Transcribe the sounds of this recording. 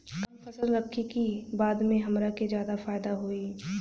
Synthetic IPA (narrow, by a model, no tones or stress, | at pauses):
kɐmfɐsəlɾɐkʰːikibaːd̪mẽɦɐmɾaked͡ʒjaːd̪afaːɪd̪aɦoiː